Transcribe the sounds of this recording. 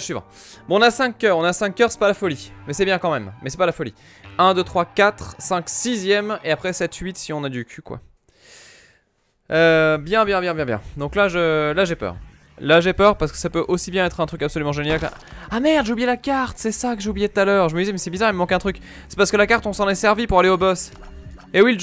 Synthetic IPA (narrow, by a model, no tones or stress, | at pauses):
sɥivɑ̰̃ | bɔ̃ɔ̃nasɛ̃kʲːœːʁɔ̃nasɛ̃kʲːœʁsɛ̥palafɔlimɛsɛbjɛ̃kɑ̃mɛmːɛsɛpalafɔlḭ | ɛ̃d̪øt̪χwakat̪χsɛ̃ksizjɛmeapχɛsɛt̪ɥit̪siɔ̃nad̪ykʲʰykwa̰ | øbjɛ̃bjɛ̃bjɛ̃bjɛ̃bjɛ̰̃d̪ɔ̃klaʒəlaʒepœ̰ːʁ | laʒepœʁpaʁsə̥kə̥sapøʔosibjɛ̃ɛt̪χɛ̃t̪χykapsɔlymɑ̃ʒenjal̰ | amɛʁd̪ʒeublijɛlakaʁt̪sɛsakəʒeublijɛd̪̚t̪alœːʁʒəməd̪izɛmɛsɛbizaːʁɛlmɑ̃kɛ̃t̪χyk | sɛ̥paʁsəkəlakaʁt̪ɔ̃sɑ̃nɛsɛʁvipuʁaleobɔs | ewil